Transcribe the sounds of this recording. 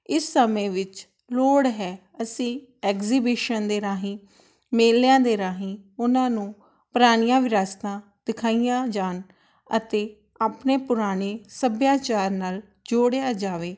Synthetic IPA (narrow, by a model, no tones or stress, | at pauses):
ɪsːəmẽːʋɪt͡ʃ | loːɽɦɛː | əsĩːɛːkziːbɪːʃənd̪eːɾaːɦĩː | meːlːejãːd̪eːɾaːɦĩːʊnãːnũː | pɾaːnijãːʋɪɾaːst̪ãː | d̪ɪkʰaːijãːd͡ʒaːn | ət̪eː | aːpneːpʊɾaːneːsəbjaːt͡ʃaːɾnaːl | d͡ʒoːɽejaːd͡ʒaːʋeː